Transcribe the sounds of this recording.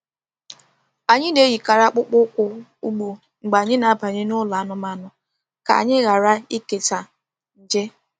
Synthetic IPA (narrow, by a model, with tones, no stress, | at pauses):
a˨ɲɪ˦ne˦ji˨ka˨ɾa˦k͡pʊ˦k͡pʊ˦kʷʊ˦u˦ɡ͡bu˨ | ŋ͡m̩˨ɡ͡ba˨ɲɪ˦na˨a˦pa˨ɲɪ˦nʊ˦la˨a˦nʊ˨ma˨nʊ˨ | ka̰˨a˨ɲɪ˦ɣa˨ɾa˦i˦ke˨ta˨ | n̩˨d͡ʒe˦